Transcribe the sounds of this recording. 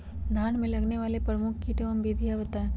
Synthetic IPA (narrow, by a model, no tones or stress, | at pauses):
d̪ʱaːnmẽlɐɡneʋaːlepɾɐmʊkʰkiʈɐʋəmbid̪ʱijaʋət̪a